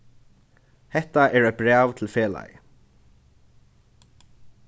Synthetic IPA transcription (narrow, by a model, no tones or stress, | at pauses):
hɛht̪aɛɹœbɾaːvt̪ʰɪlfɛːla̰j